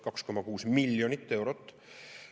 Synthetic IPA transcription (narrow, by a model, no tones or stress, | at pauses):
kɑksko̞mːɑkuːsmilːjonit̪ːe̞wɾot̪ːˑ